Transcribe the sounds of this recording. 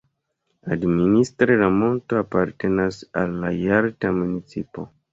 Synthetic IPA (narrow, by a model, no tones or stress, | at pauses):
administɾelamo̞ntoapaɾte̞nasalːajaɾtamunit͡sipo̞̰